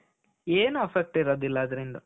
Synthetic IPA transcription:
eːnuɐfek̚ʈiɾɐːd̪ilːɐːd̪ɐɾind̪ɐ

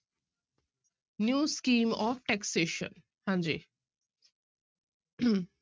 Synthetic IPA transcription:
njuskimɔfʈɛkseʃɔ̰n | hãnd͡ʑḭ

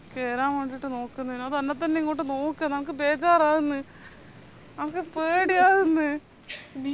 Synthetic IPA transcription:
keːɾaːmʋeɳɖiʈːɨno̞ːkːunːɐðinːɐðɨɐnːɐt̪ːɐnniŋːoʈːɨnoːkːɨnɐmk̬ːɨbeːt͡ɕaːɾaːɣunːɨ | nɐmɐkːɨpeːɽijaːɣunːɨ | ni

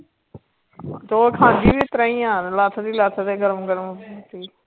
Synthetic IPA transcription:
d͡ʒoːkʰãːd͡ʒiːʋɪt̪ɾəɦĩːãːnlaːt̪ʰəd̪iːlaːt̪ʰəd̪eːɡəɾəmɡəɾmːt̪iː

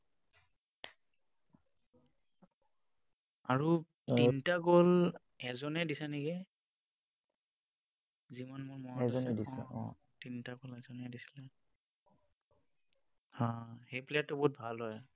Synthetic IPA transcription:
aɹu | tintaɡol | ɛzɔnɛdisɛniɡɛ | zimanmʊɹmɔɛzɔndisɛ̰ɔ̰̃ | tintaɡɔlɛzɔnɛdisi̥lɛ | hãhejplɛatːʊbɔɦut̚bʱalɦɔj

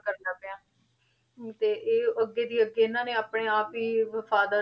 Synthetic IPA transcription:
kəɾnaːpeãː | t̪eːʔeːəɡeːd̪iːəɡːeːɪnãːneːaːpɽeːaːpiːʋəfʰaːd̪aː

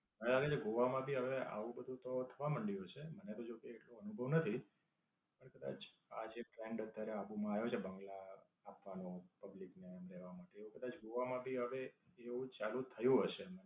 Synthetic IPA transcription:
ɦəɽelaɡet͡ʃʰeɡoʋamãbʱiɦəʋea̰ʋũbəd̪ʱũt̪ot̪ʰəʋaməɳɖjoɦt͡ʃʰemənet̪od͡ʒokeːʈloənubʱəʋnət̪ʰi | pəɳkəd̪a̰t͡ʃʰ | ad͡ʒepɾeɳɖət̪ːjaɾeabumãajot͡ʃʰebə̃ŋɡlaː | pʋanõpəbliknemɾeʋamaʈeːũkəd̪at͡ʃɡoʋamãbʱiɦəʋeeũt͡ʃalũt̪ʰəjũɦəʃemən

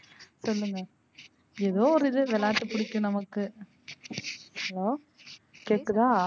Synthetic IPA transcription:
sɔlːɯŋɡɐ | ɛðoːɔɾɯɪðɯʋɛlaːʈ̪ːɯpʊɽɪkːɯ̃nɐmɐkːɯ | hɐloː | keːʈːɯðãː

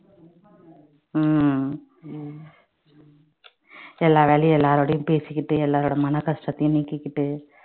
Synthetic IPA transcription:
m | ɛlːaːʋeːlɐjɛlːaːɾoːɽɐjɯ̃mpeːsɪkːɪʈːɯɛlːaːɾoːɽɐmɐnɐkɐsʈɐt̪ːɐjɯ̃mniːkːɪkːɪʈːɯ

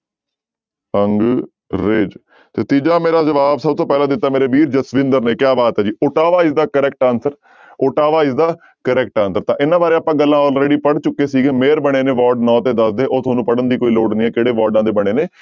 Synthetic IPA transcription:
əŋɡ | ɾeːd͡ʒ | t̪eːt̪iːd͡ʒaːmeːɾaːzəʋaːbsəb̚t̪oːpɛːlãːd̪ɪt̪ːaːmeːɾeːʋiːɾd͡ʒəsʋɪ̃nd̪əɾneːkjaːbaːt̪ɦɛːd͡ʒiːʊʈaːʋaːɪsd̪aːkəɾɛːk̚ʈãːnsəɾ | oʈaːʋaːɪsd̪aː | kəɾɛːk̚ʈãːnsəɾt̪ãːʔɪnãːbaːɾeːaːpãːɡəlːãːɔːlɾeːɽiːpəɽt͡ʃʊkːeːsiːɡeːmeːɾbəɽ̃eːnẽːʋɔːɾɖnɔ̃ːt̪eːd̪əsd̪eːʔoːt̪ʰoːnũːpəɽənd̪iːkoːiːloːɖniːɛːkeːɽeːʋaːɾɖãːd̪eːbəɽ̃eːneː

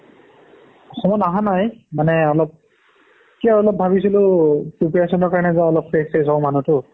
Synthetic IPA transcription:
ɔxɔmɔtaɦanajmanɛɔlɔp̚ | kiɔɔlɔp̚bʱabisilʊpupɹasɔnɔɹkaɹɔnɛzaɔlɔpfɹeksesɔʊmanutʊ

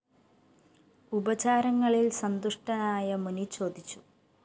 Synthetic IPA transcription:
ubɐt͡ɕaːɾɐŋːɐɭilsɐnd̪uʂʈɐnaːjɐmunit͡ɕːo̞ːd̪ʱit͡ɕːu̥

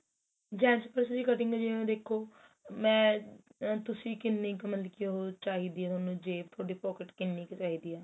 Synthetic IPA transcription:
d͡ʒɛ̃ːt͡ʃpəɾsəd͡ʒiːkəʈɪ̃ŋɡaːd͡ʒiẽːd̪eːkʰːoː | mɛ̃ː | t̪ʊsiːkɪnːikmət̪lkioɦot͡ʃaːɦiːd̪iːɛːt̪oːnũːd͡ʒeːpt̪ʰoːɖiːpɔːkɪʈkɪnːiːkt͡ʃaːɦiːd̪iːɛː

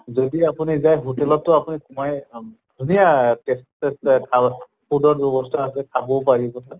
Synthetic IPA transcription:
zodiapunizajɦotɛlɔtːʊapunikumaj | dʱunijatestestʰa | pʰudɔɹbɔbɔstʰɔasɛtʰabɔpaɹibɔtʰa

